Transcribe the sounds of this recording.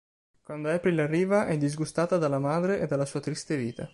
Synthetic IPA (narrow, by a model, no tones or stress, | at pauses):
kwand̪oɛpɾilarːiːvaʔɛd̪ːizɡust̪aːt̪ad̪alːamaːd̪ɾeʔed̪alːasuːat̪ɾist̪eviːt̪a